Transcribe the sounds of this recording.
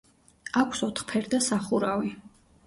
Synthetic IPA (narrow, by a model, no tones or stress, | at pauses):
akʷʰsɔt̪ʰχpʰɛɾd̪asaχuɾavi